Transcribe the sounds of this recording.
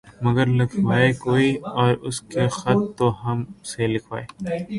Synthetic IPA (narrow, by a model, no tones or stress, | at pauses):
mɐɡəɾlɪkʰʋaːekoːiɔːɾʊskexɐt̪ːoɦɐmselɪkʰʋa̰ːeː